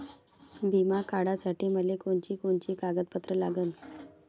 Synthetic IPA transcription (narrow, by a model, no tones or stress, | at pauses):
bʱimakaɽasaʈiːməlekoɳt͡ɕiːkoɳt͡ɕiːkaɡət̪̚pət̪ɾəlaɡən